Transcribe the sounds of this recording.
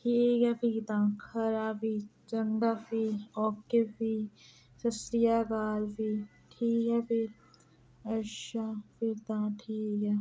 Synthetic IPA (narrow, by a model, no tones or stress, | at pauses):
ʈʰiːkapʰit̪ãːkʰɐɾaːbit͡ʃɐnd̪aːpiɔːkːebi | sɐsɾijaːɡaːlpi | ʈʰiːkɛpiɾ | ɐʃapʰɪɾt̪ãːʈʰiːkaː